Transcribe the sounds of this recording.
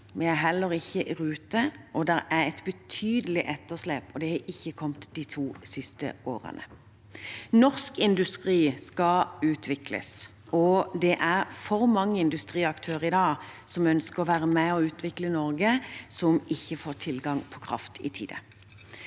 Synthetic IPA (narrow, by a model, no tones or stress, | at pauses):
ʋɛæɦɛlːəɾɪçːəʔʁʉːt̪əʔɔd̪ɛʁæɾɛt̪bət̪ʰyːd̪əlɪʔɛt̪ːəʁʂleːpɔd̪ɛhɑʔɪçːəkʰɔmt̪d̪iːt̪ʰuːsɪst̪ə̰o̰ːʁə̰nə̰ | nɔʁskɪnd̪ʉst̪ʁiːskɑʉːt̪ʰʋɪklə̰s | ɔd̪ɛʔæɾfɔɾmɑŋːəɪnd̪ʉst̪ʁiːɑkt̪ʰøːəʁɪd̪ɑːsɔmœnskəʁɔʋæːɾəmɛɔʉːt̪ʰʋɪklənɔɾɡəsɔmɪçːəfoːt̪ʰɪlɡɑŋpʰɔkʰɾɑ̰ft̪ʰɪ̰t̪ʰḭːd̪ə̰